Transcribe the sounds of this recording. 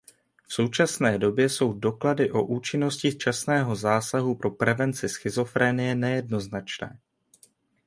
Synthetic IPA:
fso̞wt͡ʃasnɛːdo̞bjɛso̞wdo̞kladɪʔo̞ʔuːt͡ʃɪno̞scɪt͡ʃasnɛːɦo̞zaːsaɦupɾo̞pɾɛvɛnt͡sɪsxɪzo̞fɾɛːnɪjɛnɛjɛdno̞znat͡ʃnɛ̰ː

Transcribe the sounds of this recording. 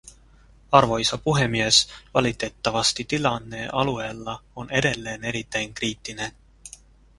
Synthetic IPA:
ɑrvo̞isɑpuɦe̞mie̞svɑlit̪e̞t̪ːɑvɑst̪it̪ilɑnːe̞ʔɑlue̞lːɑo̞ne̞d̪e̞lːe̞ːne̞ɾit̪ːe̞jnkriːt̪ːˑine̞

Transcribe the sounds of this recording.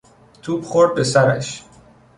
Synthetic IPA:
t̪ʰuːbχoɾd̪̚be̞sæɾæ̰ʃ

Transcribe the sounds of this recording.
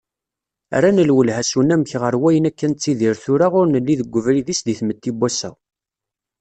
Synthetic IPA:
æ̰ɾænəlwəlɦæsunæmçʁəɾwæjənækːænt͡sːiðiɾθʊɾaʁʊɾnəlːiðəɡʷːəvɾiðisd̪iθmət̪ːibːæsæ̰

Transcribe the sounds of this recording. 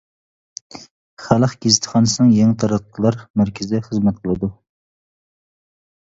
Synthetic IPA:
χælˠəχɡʲezɪt̪ʰχɑːnɨsɨnɨŋjeŋɪt̪ʰɑɾɑq̪ʰːlˠɑɾmæɾkʲʰɪzɪd̪ɛχəzmɛt̪̚qʰəlˠɨd̪u

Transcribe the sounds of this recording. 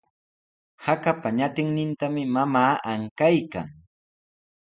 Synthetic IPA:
hakapaɲat̪ɪŋnɪnt̪amɪmamaːʔaŋkajka̰ŋ

